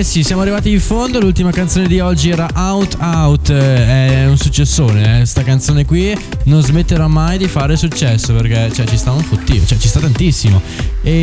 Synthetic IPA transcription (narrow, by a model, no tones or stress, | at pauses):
sisjaːmoarːivaːt̪iːɱfond̪olult̪imakant̪soːned̪iɔd͡ʒːiɛːɾaʔawt̪awt̪ɛunsut͡ʃːesːoːneɛst̪akant̪soːnekwi | nõnzmet̪ːeɾɔmːajd̪ifaːɾesut͡ʃːɛsːoperk̟ɛt͡ʃɛt͡ʃist̪auɱfut̪ːiːvo̰t͡ʃɛt͡ʃist̪at̪ːant̪isːimo | e